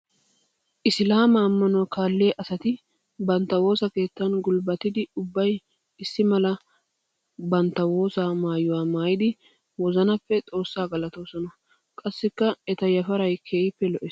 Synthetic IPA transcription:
ʔɪslaːmɐːmːɐnɔkaːlːeːʔɐsɐt̪ɪ | bɐnt̪ːɐwo̞ːsɐke̞ːt̪ːɐnɡʊlbɐt̪ɪd̪ɪʊbːɐj | ɪsːɪmɐlɐ | bɐnt̪ːɐwo̞ːsaːmaːjʊwaːmaːjɪd̪ɪ | wɔzɐnɐpːɛt͡sʼo̞ːsːaːɡɐlɐt̪o̞ːsɔnɐ | kʼɐsːɪkːɐɛt̪ɐjɐfɐɾɐjkʰeːjɪpːɛlɔʔɪ

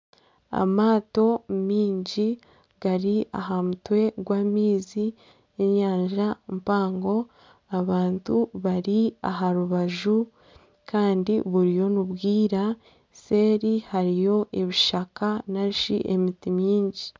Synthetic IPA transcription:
a̰maːto̞miːɲɟi | ɡaɾia̰ɦamutwe̞ɡwaːmiːzi | eɲaːɲʒampaːŋɡo̞ | aβaːntuβaɾia̰ɦaɾuβaʒu | kʰaːndiβuɾijo̞nuβɡiːɾa | se̞ɾihaɾijo̞ʔeβiʃakanaɾiʃḭʔemitimɲiːɲɟi

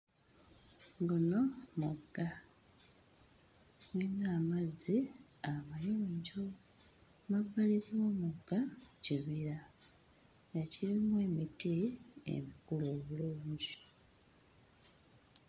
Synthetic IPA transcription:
ŋɡono̞muɡːa | winaːmaziamajoːɲɟo̞ | maβaliɾwomuɡaciβiɾa | jaciɾimwe̞ːmiteḛmikuloːβuluːɲɟi

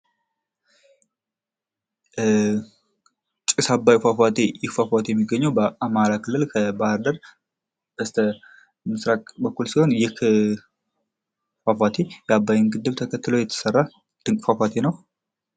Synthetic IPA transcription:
t͡ʃʼɪsabːajfafat̪ʰejɪkfafat̪ʰejɛmːiɡːəɲːəwbəʔamaɾakʰɨlːɨlkʰəbahəɾd̪əɾ | b̥əst̪ʰə | mɨsɾakʼbəkːulsiho̞njɪk | fafat̪ʰejɛabːajɪnɡɨd̪ːɨβt̪ʰəkʰət̪ːɨlo̞jɛt̪ʰə̥sərːa | d̪̥ɨŋkʼfafat̪ʰenəw

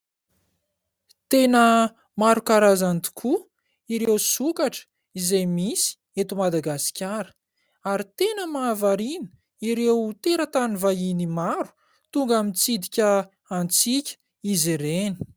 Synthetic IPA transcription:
t̪enə | maɾukaɾazant̪i̥kʰu | iɾewsukaʈ͡ʂə̥ | izajmisi̥ | et̪umad̪aɡasi̥kʲaɾə̥ | aɾit̪enəmaːvaɾinə | iɾewt̪eɾət̪anivajinimaɾu̥ | t̪uŋɡamit͡sid̪ikʲə | ant͡sikʲə̥ | izeɾeni̥

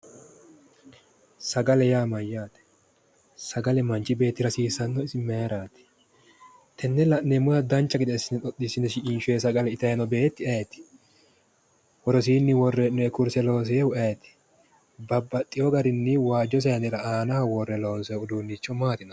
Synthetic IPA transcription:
sɐɡɐlɛjaːmɐjːaːt̪ɛ̥ | sɐɡɐlɛmɐnt͡ʃɪbe̞ːt̪ːɪɾɐsiːsɐnːɔɪsɪmeɾaːt̪ɛ̥ | t̪ɛnːɛlɐʔnɛmʊjɐd̪ɐnt͡ʃːɐɡɪd̪ɛsːɪnɛᶑ̪ɔt̪ːɪsɪnɛʃɪiːnʃʊɛs̬ɐɡɐlɛɪt̪ɐjnɔbe̞ːt̪ːɪɐjɛt̪ɪ̥ | wɔɾɔs̬iːnːɪwɔrːɛnːɔɛkʊɾsɛlo̞ːs̬ɛɛhʊʔɐjɛt̪ɪ̥ | bɐbːɐt̪ʼːɪjɔɡɐɾɪnːɪwaːd͡ʒːɔs̬ɛjɐnɛɾɐaːnɐɐwɔrːɛlo̞ːnsɔʊd̪uːnːit͡ʃːɔmaːt̪ɪnɐ

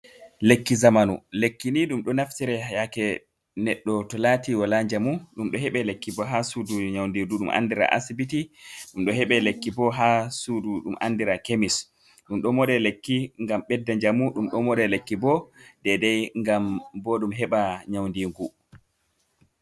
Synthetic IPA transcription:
lekːizamanṵlekːiniɗumɗɔnaftiɾɛhajakɛ | nɛɗːɔtɔlatiwɔlaɲd͡ʒamuɗumɗɔɦɛɓɛlekːibɔɦasuduɲawndiɡuɗumʔa̰ndiɾa̰ʔa̰sibitiɗumɗɔɦɛɓɛlekːibɔɦasuduɗumʔa̰ndiɾakemis | ɗumɗɔmɔdɛlekːiŋɡamɓɛdːaɲd͡ʒamuɗumɗɔmɔɗɛlekːibɔdɛdɛjŋɡambɔɗumɦɛɓaɲawndiːŋɡu

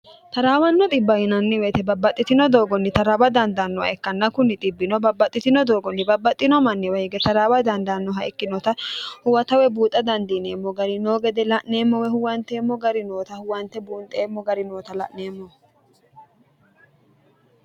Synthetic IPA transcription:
t̪ɐɾaːwɐnːɔt̪ʼɪbːɐjɪnɐnːɪwɛt̪ɛbɐbːɐt̪ʼːɪt̪ɪnɔd̪o̞ːɡɔnːɪt̪ɐɾaːbɐd̪ɐnd̪ɐnːɔɐ̰ɛkːɐnːɐkʊnːɪt̪ʼɪbːɪnɔbɐbːɐt̪ʼːɪt̪ɪnɔd̪o̞ːɡɔnːɪbɐbːɐt̪ʼːɪnɔmɐnːɛwɛjɡɛt̪ɐɾaːwɐd̪ɐnd̪ɐnːɔɦɐɛkːɪnɔt̪ɐhʊwɐt̪ɐwɛbuːt̪ʼːɐd̪ɐnd̪ineːmːɔɡɐɾɪnoːɡɛd̪ɛlɐʔneːmːɔwɛhʊwɐnt̪eːmːɔɡɐɾɪnoːt̪ɐhʊwɐnt̪ɛbuːnt̪ʼeːmːɔɡɐɾɪno̞ːt̪ɐlɐ̰ʔne̞ːmːɔ

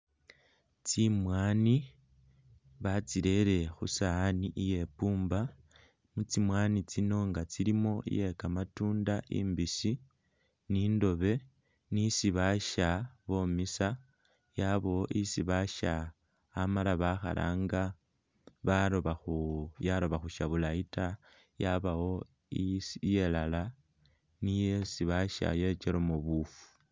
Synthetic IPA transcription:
t͡simwaːni | βat͡siɾe̞ɾe̞xusaːniʔije̞puːmba | mut͡simwaːnit͡sino̞ŋɡat͡siɾimo̞ḭje̞kamatuːndaʔḭːmbisi | niːndo̞βe̞ | nisiβaʃaβo̞misa | jaβowoʔisiβaʃaː | malaβaxa̰la̰ːŋɡa | βaoβajaɾo̞βaxuʃaβulaita | jaβawo̞ | isje̞lala | nijesiβaʃa̰je̞t͡ʃeɾomuβufu̥

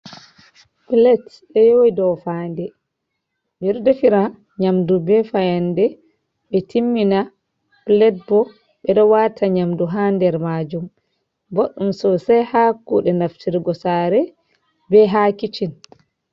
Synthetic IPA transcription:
plɛt | ɛjoidɔfaːndɛ | miɾdɛfiɾa | ɲamdubɛfajandɛ | ɓɛtimːina | b̥lɛt̚bɔ | ɓɛɗɔwatʰaɲamduɦandɛɾmad͡ʒum | boɗːumsɔsajhakːuɗɛnaftʰiɾɡɔsaɾɛ | bɛɦakit͡ʃin

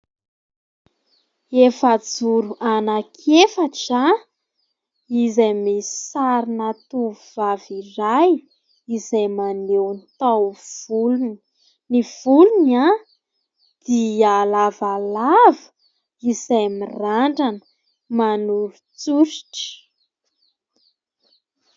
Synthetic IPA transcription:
efəd͡zuɾuʔanakʰefaʈ͡ʂa | izajmisi̥saɾinat̪uvuv̥aviraj | izajmanewnit̪awvulun | niv̥uluna | d̪̥ialavalavə | izajmiraɳɖ͡ʐanə̥ | manuɾut͡suɾi̥ʈ͡ʂə̥

